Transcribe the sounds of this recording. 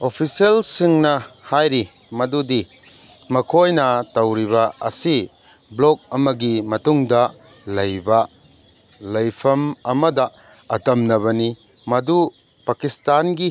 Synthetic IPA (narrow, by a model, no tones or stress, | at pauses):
opʰiselsiŋnɐhajɾi | mɐdudi | mɐkʰojnɐtɐwɾiβaɐ̰si | blok̚ɐmɐɡimɐtuŋdɐ | lɐjba | lɐjpʰɐmɐmɐdɐː | tɐmnɐβɐni | mɐdu | pakistanɡi